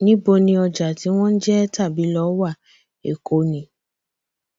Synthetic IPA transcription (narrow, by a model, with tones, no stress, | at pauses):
nĩ˦bo˧nĩ˧ɔ˧d͡ʒa˨ti˨˦w̃ɔ̃˦n̩˦d͡ʒɛ˦ta˦˨bi˨˦lɔ˨˦wa˦˨ | ḛ˨ko˨˦nĩ˨˦